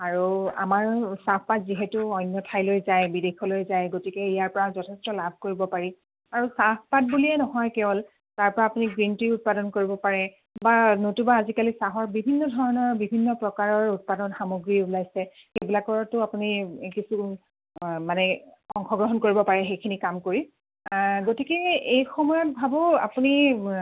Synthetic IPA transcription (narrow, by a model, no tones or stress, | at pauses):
aɹua̰maɹsappatziɦɛtʊɔjnjɔtʰajlojzajbidexɔlojzajɡotikɛijaɹpɔɹazɔtʰɛstɔlabʱkoɹibɔpaɹi | aɹusappat̚buliɛnɔɦɔjkɛbɔl | taɹpɔɹaːpuniɡɹintiʊt̚padɔnkoɹibɔpaɹɛ | banotubaːzikalisaɦɔɹbibʱinːɔdʱɔɹɔnɔɹbibʱinːɔpɹɔkaɹɔɹut̚padɔnxamoɡɹiulajsɛ | xejbilakɔɹtʊapunikisu | manɛɔŋxɔɡɹɔɦɔnkoɹibɔpaɹɛxejkʰinikamkoɹi | ɡotikɛejxɔmɔjɔt̚bʱabɔa̰puni